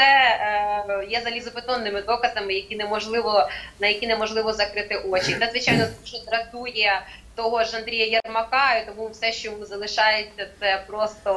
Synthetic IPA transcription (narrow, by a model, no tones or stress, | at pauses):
sɛ | jɛzɐlʲizʊpɪt̪ɔnːɪmɪd̪ɔkɐzɐmɪjɐkʲinɛmɔʒlˠɪʋɔnɐjɐkʲinɛmɔʒlˠɪʋɔzɐkɾɪt̪ɪʔɔt͡ʃit̪ɛzʋɪt͡ʃajnɔuʒɔd̪ɾɐt̪ujɐt̪ɔɦɔʒɐnd̪ɾʲijɐjɐrmɐkɑjʊt̪ɔmuwsɛʃt͡ʃɔzɐlˠɪʃɑjet͡sʲːɐt̪sɛpɾɔst̪ɔ